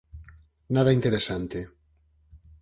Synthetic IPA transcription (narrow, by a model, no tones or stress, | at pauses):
naðaint̪eɾesant̪e